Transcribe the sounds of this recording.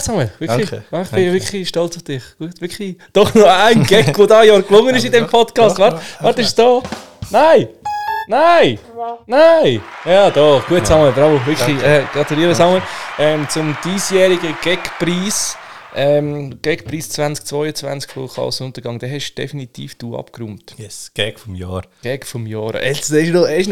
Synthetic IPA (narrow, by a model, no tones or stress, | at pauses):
sɑŋəʋɪkχliɑɪχb̥ɪvɪkχliʃtɔlt͡sʊfd̥ɪχɡ̥uətʋɪɾkχlid̥ɔχnoaɪnɡɛkʋodɑːjɑːɾklʊŋːənɪʃɪdɛmpʰɔtkɑːst̪vʋɑɾʋɑɾt̪ɪʃsd̥oːnaɪnaɪnaɪjɑːd̥̪ɔχɡ̥uətsɑŋəbɾɑvovɪχliɛɡ̥ɾɑt̪uliəɾəsɑŋəɛmt͡sʊmd̥iːsjɛːɾiɡəɡ̥ɛkpɾiːsʔɛmɡ̥ɛkpɾiːst͡sʋænt͡sk̚t͡svɔʏət͡svæ̰nt͡skfo̰kʰlɑ̰lsʊnt̪əɾɡɑŋd̥̪ɛɦɛʃd̥ɛ̰finitiːfd̥uːɑ̰pkɾuːmt̪jɛsɡ̥ɛkfɔmjɑːɾɡ̥ɛkfɔmjɑːɾɛ̰sɛɪʃnoɛɪʃ